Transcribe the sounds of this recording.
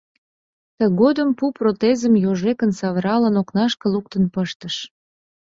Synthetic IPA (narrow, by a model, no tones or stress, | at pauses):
t̪əɣod̪əmpuprot̪ezəmjoʒekənsɑβəɾɑlənoknɑʃkə̆luk̚t̪ənpəʃt̪əʃ